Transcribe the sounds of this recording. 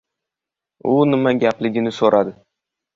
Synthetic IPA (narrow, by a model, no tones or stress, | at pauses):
ʊnɪmaɡʲaplɪɡʲɪnɪsoɾʔad̪ɪ